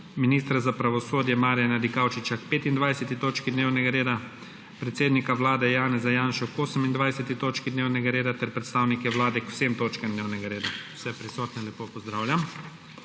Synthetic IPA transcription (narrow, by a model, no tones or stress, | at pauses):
miniːst̪ɾazapɾaʋɔsoːd̪jɛmaːɾjanad̪ikawt͡ʃit͡ʃakpeːt̪ind̪ʋajsɛt̪it̪oːt͡ʃkid̪newnɛɡaɾeːd̪a | pɾɛt̪seːd̪nikaʋlaːd̪ɛjaːnɛzajaːnʃɔkoːsəmind̪ʋajsɛt̪it̪oːt͡ʃkid̪neːwnɛɡaɾeːd̪at̪ɛɾpɾɛt̪st̪aːwnikɛʋlaːd̪ɛkw̥semt̪oːt͡ʃkamd̪neːwnɛɡaɾeːd̪aw̥sɛpɾisɔːt̪nɛnlʲjɛpoːpɔzd̪ɾaːwlʲjam